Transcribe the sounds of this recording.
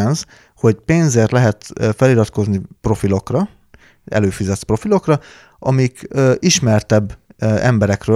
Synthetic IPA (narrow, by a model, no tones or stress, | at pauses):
nz | ho̞ɟpeːnzeːrt̪lɛɦɛt̪ːfɛlilɒt̪ko̞znipro̞filo̞krɒ | ɛ̰løːfizɛt̪pro̞filo̞krɒ | ʔɒ̰mikøːʔiʃmɛrt̪ɛbːɛmbɛɾɛkrøː